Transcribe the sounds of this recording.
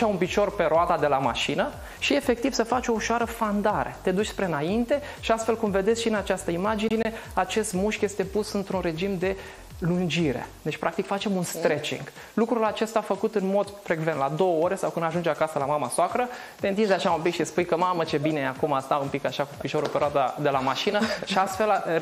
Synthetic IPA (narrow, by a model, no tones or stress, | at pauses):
ʃaunpit͡ʃo̞rpe̞ɾoat̪ad̪e̞lama̰ʃinə | ʃie̞fe̞k̚t̪iv̥səfat͡ʃo̞uʃoaɾəfand̪aɾḛt̪e̞d̪ut͡ʃʲspɾe̞naint̪e̞ | ʃiast̪fe̞lkumve̞d̪esʲʃiɨnat͡ʃast̪əimad͡ʒiine̞at͡ʃe̞st̪muʃkje̞st̪e̞pusɨnt̪ɾunɾe̞d͡ʒimd̪e̞ | lund͡ʒiɾe̞̰d̪et͡ʃpɾʔak̚t̪ikfat͡ʃe̞munst̪ɾe̞t͡ʃḭŋɡ̥ | lukɾulat͡ʃe̞st̪aːfəkut̪ɨnmo̞d̪fɾe̞ɡvent̪lad̪o̞wəo̞ɾe̞sawkɨnd̪aʒund͡ʒakasəlamamasakɾə | t̪e̞ɨnt̪ind̪eaʃaumpikʃispujkəmamət͡ʃe̞bine̞eakumast̪aumpikaʃakupiʃo̞ɾupeɾead̪ad̪e̞lamaʃinəʃiast̪fe̞l